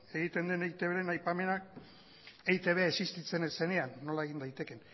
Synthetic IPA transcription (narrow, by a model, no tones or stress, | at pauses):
e̞ɣ̞it̪e̞nd̪enejt̪e̞βeɾenajpame̞nak | ejt̪e̞β̞e̞aesist̪it͡se̞nse̞ne̞anːo̞lae̞ɣ̞ind̪ajt̪e̞ke̞n